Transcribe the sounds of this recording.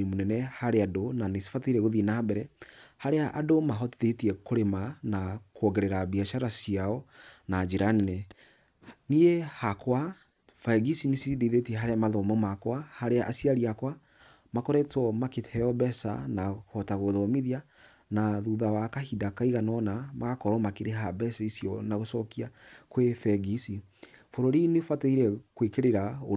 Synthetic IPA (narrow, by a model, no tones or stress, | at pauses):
imonɛnɛhaɾeadonanesi̥fataiɾɛɣoðinaabɛɾɛhaɾeaʔadomaɦɔtiðetiɛkoɾemanakoɔɣɛɾɛɾabiaʃaɾasiaɔnad͡ʒeɾanenɛ | niehakwa | faɛɡisinisiideðetiɛɦaɾeamaðɔmɔmakwahaɾeaʔasiaɾiakwa | makɔɾɛtɔmaketɛɔbɛsa̰nahɔtaɣoðɔmiðia | naðuðawakahidakaiɣanɔnamaɣakɔɾɔmakeɾeɦabɛsaisjɔnaɣosɔkiakwefɛɡisi | foɾoɾineofwateiɾɛkwekeɾeɾao